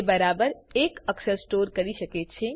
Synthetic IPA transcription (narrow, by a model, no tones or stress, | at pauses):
bɐɾaːbəɾeːkəksəsʈoːɾkɐɾiʃɐket͡ʃʰe